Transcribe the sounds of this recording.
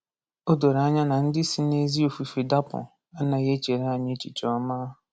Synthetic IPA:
o˦do˨ɾa˦ɲa˦na˨n̩˦dɪ˦si˦ne˦zi˦o˨fu˨fi˨da˦pʊ̰˨ | a˦na˨je˦t͡ʃe˨ɾa˨ɲɪ˦t͡ʃḭ˨t͡ʃɔ˦ma˦ɦʊ˨

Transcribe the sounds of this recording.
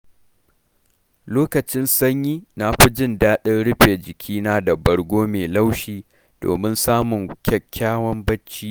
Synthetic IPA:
loː˦kɐ˨t͡ʃɪ˦nsɐ˦ɲjiː˦na˨ɸi˦d͡ʒɪ˦˨ndaː˦ɗɪ˦nɽʊ˦ɸeː˨d͡ʒɪ˨kʲʰiː˦naː˦dɐ˨bɐ˨ɽɡʷoː˦meː˨la˦wʃiː˦ | d̥o̰ː˨mɪ˦nsaː˦mʊ˨ŋkʲɛ˦kʲʰːaː˦wɐ˦mbɐ˦t͡ʃːiː˦ʔ

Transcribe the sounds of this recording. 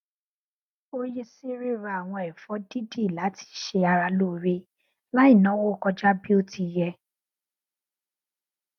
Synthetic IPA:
o˦ji˧si˦ɾe˦ɾa˧a˨w̃ɔ̃˧ɛ˨fɔ˨˦di˦di˦˨la˨˦ti̥˧ʃe˧a˧ɾa˧lu˦˨ɾe˦ | la˦i˦˨nɔ̃˨˦wɔ˦kɔ˧d͡ʒa˦bi˦o˦ti˧jɛ˧

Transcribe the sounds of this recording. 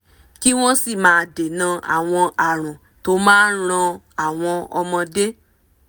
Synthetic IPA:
ki˦w̃ɔ̃˦si˦˨mãː˨˧de˨nã˧a̰˨w̃ɔ̃˧ʔa˨ɾ̃ũ˨ | to˦mãː˦˧ɾ̃ã˧ | a˦˨w̃ɔ̃˧ɔ̰˧mɔ̃˧de˦

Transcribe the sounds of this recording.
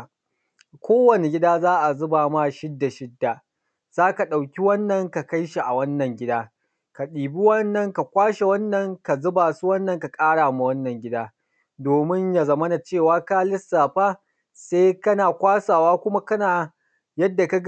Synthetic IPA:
kʷoː˦wɐ˨ne˨ɡʲɪ˦daː˦zaː˦ʔa˨zʊ˦baː˨ma˦˨ʃɪ˦dːa˨ʃɪ˦dːa˨ | z̥aː˦ka˨ɗa˨wkʲi˦wɐ˦nːɐ˨ŋka˨ka˦jʃi˨ʔa˨wɐ˦nːɐ˨ŋɡʲɪ˦daː˦ | ka˨ɗiː˨bi˦wɐ˦nːɐ˨ŋka˨kʷaː˦ʃe˨wɐ˦nːɐ˨ŋka˨zʊ˦baː˨su˦wɐ˦nːɐ˨ŋka˨kʼaː˦ɽaː˨mu˦wɐ˦nːɐ˨ŋɡʲɪ˦daː˦ | doː˨mɪ˦ɲja˨zɐ˦mɐ˦na˨t͡ʃeː˦˨waː˦kaː˦lɪ˦sːaː˨ɸaː˦ | se˦kɐ˦naː˨kʷaː˦saː˨waː˦kʷʊ˦ma˦kɐ˦naː˨ | jɐ˦dːa˨ka˦ɡ

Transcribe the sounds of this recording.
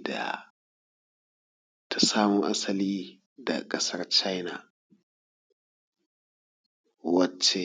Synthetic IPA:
da̰˨ | tʰa˨saː˦mu˦ʔa˦sɐ˨liː˦ | da̰˨kʼɐ˦sɐ˦rt͡ʃa˦jna˨ | wɐ˦t͡ʃːe˨

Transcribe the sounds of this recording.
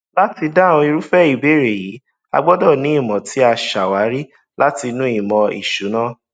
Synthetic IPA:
la˦ti˧dã˦˨õ˧i˧ɾu˦fɛ˦˨i˨be˨˦˨ɾe˨ji˨˦ | a̰˧ɡ͡bɔ˦dɔ˦˨nĩ˨˦i˦˨mɔ̃˨tʰi˨˦a˧ʃa˨wa˨˦ɾi˦ | la˦ti˧nũ˦i˦˨mɔ̃˧ḭ˨ʃu˨˦nã˦

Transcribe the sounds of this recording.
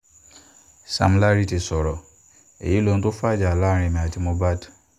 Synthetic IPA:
sa̰˨m˦la˦ɾi˦ti˨sɔ˨ɾɔ˨ | ḛ˨ji˦lo˨n̩˦to˦fa˦d͡ʒa˨la˦ɾ̃ɪ̃˨mɛ̃˨a˨tɪ˦mõ˦ba˦t

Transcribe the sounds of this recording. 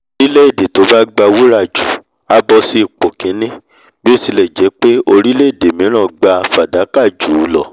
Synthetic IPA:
ɾi˦le˦i˦˨de˨to˨˦ba˦ɡ͡ba˧wu˦ɾa˦˨d͡ʒu˨ | a˦bɔ˧si˦i˨k͡po˨kĩ˨˦nĩ˦ | bi˦o˦ti˧lɛ˨d͡ʒɛ˨˦k͡pe˦o˧ɾi˦le˦i˦˨de˨mĩ˨˦ɾ̃ã˦˨ɡ͡ba˧fa˨da˨˦ka˦˨d͡ʒu˨˦˧lɔ̰˨

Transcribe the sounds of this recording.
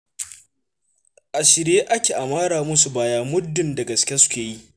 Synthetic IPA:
ʔa˨ʃɪ˨ɾjeː˦ʔa˦kʲeː˨ʔa˨maː˦ɽaː˨mʊ˦su˨baː˦jaː˦mʊ˦dːʊ˨nda˨ɡɐ˨skʲe˦sʊ̥˦kʲeː˨ji˦ʔ

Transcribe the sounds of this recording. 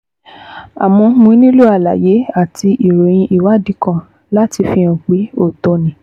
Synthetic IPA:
a̰˨mɔ̃˧mũ˧i˦nĩ˦lu˦a˦˨la̰˨je˨˦a˦˨tʰi˧ʔi˨ɾo˨j̃ĩ˧ʔi˦˨wa˨˦˨di˨˦kã˦˨ | la˦ti˧fi˧˦ɔ̃˨k͡pi˨˦o˦˨tɔ˧nĩ˨

